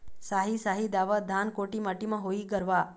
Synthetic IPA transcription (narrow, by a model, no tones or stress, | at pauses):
saɦisaɦid̪aʋəd̪ʱankoʈimaʈimãɦoiɡəɾʋa